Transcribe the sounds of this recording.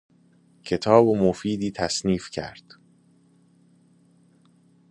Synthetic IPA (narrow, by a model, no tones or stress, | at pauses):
cʰe̞t̪ʰɒːbomofiːd̪iːt̪ʰæsniːfcʰæ̰ɾd̪̥